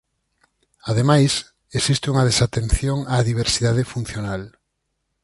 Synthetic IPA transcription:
aðemajs | esist̪euŋað̞esat̪ẽn̟θjoŋaːðiβ̞eɾsiðað̞efun̟θjonal

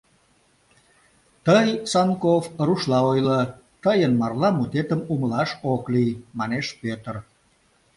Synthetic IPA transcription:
t̪əjsɑnkofruʃlɑojlə | t̪əjənmɑrlɑmut̪et̪əmuməlɑʃoklijmɑneʃpøt̪ər

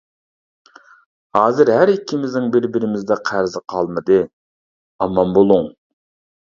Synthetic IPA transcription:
hɑːzɨɾɦæɾɪkʲʰːɪmɪznɪŋbɪɾbɪɾɪmɪzd̪ɛqʰæɾzɪqʰɑlˠmɨd̪ɨ | ɑmɑmbolˠʊŋ

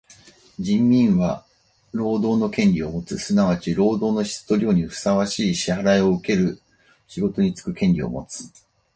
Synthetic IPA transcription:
d͡ʑĩmːʲĩɰ̃βa | ɾo̞ːd̪o̞ːno̞kẽ̞nɾʲio̞mo̞t͡sɨsɨnaβ̞at͡ɕiɾo̞ːd̪o̞ːno̞çi̥st̪o̞ɾʲo̞ːɲ̟iɸɯ̟̥saβaɕiːɕihaɾaio̞ɯ̟ke̞ɾɯ̟ | ɕiɡo̞t̪o̞ɲ̟it͡sɨ̥kɯ̟kẽ̞nʲɾʲio̞̰mo̞̰t͡sɨ̥

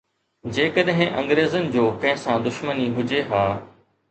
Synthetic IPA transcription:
d͡ʑeːkəɗɦɪ̃ʔɐ̰̃ŋɡɾeːzənɪ̆d͡ʑoːkɐ̃ɦɪ̃sãd̪ʊʃməniɦʊd͡ʑeɦaː

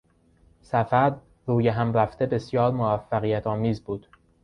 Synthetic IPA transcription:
sæfæɾ | ɾuːjeɦæmɾæft̪ʰe̞be̞sjɒːɾmoæfːæɣijæt̪ʰɒːmiːzbuːd̪̥

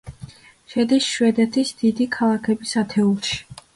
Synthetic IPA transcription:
ʃɛd̪isʃwɛd̪ɛt̪ʰisd̪̥id̪ikʰalˠakʰɛbisat̪ʰɛulˠʃi̥

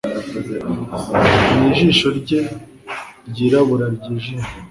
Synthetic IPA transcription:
ɲiːʒiːʃo̞ɾɟe | ɾɟiːɾaβuɾaɾɟiːʒiːʃo

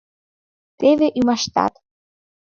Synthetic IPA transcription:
t̪eveʔymɑʃt̪ɑ̰t̪

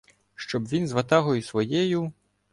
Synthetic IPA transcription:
ʃt͡ʃɔbʋʲinzʋɐt̪ɑɦɔjusʋɔjɛju

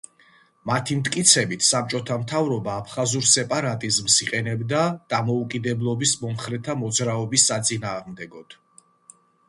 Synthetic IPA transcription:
mat̪ʰimt̪ʰʼkʼit̪sʰɛbit̪ʰsap̚t͡ʃʼɔt̪ʰamt̪ʰavɾɔbaːpʰχazuɾsɛpʼaɾat̪ʼizmsiqʼɛnɛbd̪ad̪̥amɔukʼid̪ɛblˠɔbismɔmχɾɛt̪ʰamɔd̪zɾaɔbisːat̪sʼinaːʁmd̪ɛɡɔd̪̥

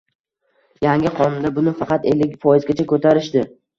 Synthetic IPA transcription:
jaŋʲɪqʰɒnʊnd̪abʊnɪfɑqɑt̪e̞lːɪkʲfɒjɪzɡʲat͡ʃʰakʰɵt̪ʰaɾɪʃd̪ɪ

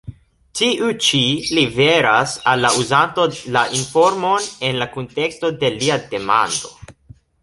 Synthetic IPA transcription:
tiʔut͡ʃilibe̞ɾasalːauzanto̞laʔinfo̞ɾmo̞ne̞nlakonte̞ksto̞de̞liade̞ma̰ndo̞

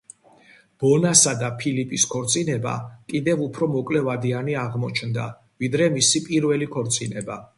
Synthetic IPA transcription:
b̥ɔnasad̪apʰilipʼiskʰɔɾt̪sʼinɛba̰kʼid̪ɛvupʰɾɔmɔkʼlɛvad̪ianiaʁmɔt͡ʃʰnd̪a̰ | vid̪ɾɛmisipʼiɾvɛlikʰɔɾt̪sʼinɛba̰

